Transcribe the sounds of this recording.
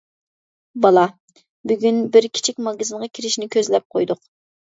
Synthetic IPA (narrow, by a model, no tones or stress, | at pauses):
bɑlˠɑ | byɡʲynbɪɾkʲʰi̥t͡ʃʰik̚ʲmɑɡɑzɨnʁɑkʲʰiɾɪʃnɪkʲʰøzlɛp̚qʰojd̪ʊq